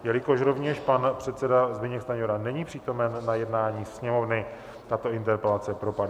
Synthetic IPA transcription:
jɛlɪko̞ʃɾo̞vɲɛʃpanpr̝̥ɛt̪sɛdazbɪɲɛkst̪aɲoɾanɛɲiːpr̝̥iːt̪o̞mɛnːajɛdnaːɲiːsɲɛmo̞vnɪ | t̪at̪o̞ʔɪnt̪ɛɾpɛlat͡sɛpɾo̞padɪ

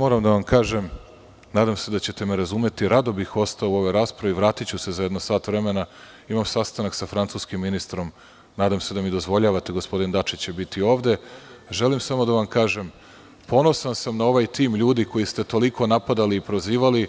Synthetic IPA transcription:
mo̞ːɾamd̪aʋamkaːʒem | naːd̪amse̞d̪at͡ɕe̞t̪emeɾazume̞t̪iɾad̪o̞bixo̞st̪aouo̞ʋeɾaːspɾaʋiʋɾaːt̪it͡ɕusezajed̪nosaːt̪ʋɾe̞mena | imamsast̪anaksafɾant̪suːskimːinist̪ɾo̞m | naːd̪amse̞d̪amid̪o̞zʋo̞ʎaːʋat̪eɡospo̞d̪ind̪at͡ʃit͡ɕebit̪io̞ːʋd̪e̞ʒe̞limsamo̞d̪aʋamkaːʒem | po̞no̞sansamnao̞ʋajt̪iːmʎuːd̪iko̞jist̪e̞t̪o̞likʰo̞napad̪aliːpɾoziːʋali

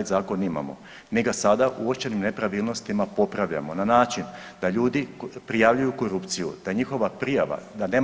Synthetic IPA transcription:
d̪zaːko̞nima̰mo̞̰ | miɡasad̪aʔuot͡ʃenimne̞pɾaʋiːlˠno̞st̪imapo̞pɾaʋʎa̰mo̞nanaːt͡ʃind̪aʎuːd̪ipɾijaʋʎujuko̞ɾupt̪sijṵd̪̥aɲixo̞ʋapɾijaʋa̰d̪ane

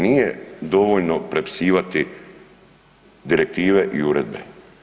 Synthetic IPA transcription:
nije̞d̪o̞ʋo̞ʎno̞pɾe̞pi̥siːʋat̪i | d̪iɾe̞k̚t̪iːʋe̞ʔiuɾed̪̚bḛ

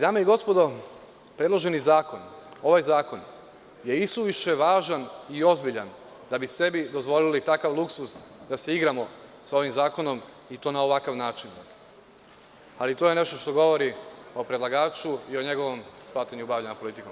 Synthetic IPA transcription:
d̪amaiɡo̞spo̞d̪o̞ | pɾed̪lˠo̞ʒe̞nizaːko̞no̞ʋajzaːko̞n | je̞ist̪uʋiʃt͡ʃeʋaːʒanio̞zbiʎa̰n | d̪abise̞bid̪o̞zʋo̞lilit̪akaʋlˠuksusd̪ase̞iɡɾamo̞sao̞ʋimzaːko̞no̞m | it̪o̞ːnaoʋakaʋnaːt͡ʃin | alit̪oːje̞ne̞ʃt̪o̞ʃt̪o̞ɡo̞ʋo̞ɾio̞pɾed̪laɡaːt͡ʃuio̞ɲe̞ɡo̞ʋo̞mspaːt̪aɲuubaʋʎaɲapo̞lit̪ikom

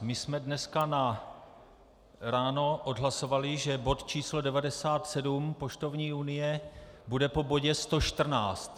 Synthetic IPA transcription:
mɪsmɛdnɛskana | ɾaːno̞ʔo̞dɦlaso̞valɪʒɛbo̞t̪t͡ʃiːslo̞dɛvadɛsaːt̪sɛdumpo̞ʃt̪o̞vɲiːunɪjɛbudɛpo̞bo̞ɟɛst̪o̞ʃt̪r̩naːt͡st̪

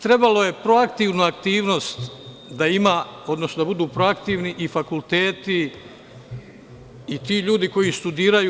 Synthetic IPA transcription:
t̪ɾe̞balo̞je̞pɾo̞akt̪iːʋnuakt̪iːʋno̞st̪ | d̪aimao̞d̪nosnod̪abud̪uːpɾo̞akt̪iːʋniʔifakulˠt̪eːt̪i | it̪iːʎuːd̪iko̞jist̪ud̪iːɾaju

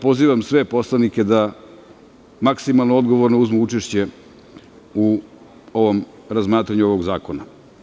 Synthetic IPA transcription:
po̞ziːʋamsʋepo̞slanike̞d̪a | maksimalˠnoo̞d̪ɡo̞ʋoɾnouzmuut͡ʃeʃt͡ɕe | u | o̞ʋo̞m | ɾazmaːt̪ɾaɲuoʋoɡzaːko̞na

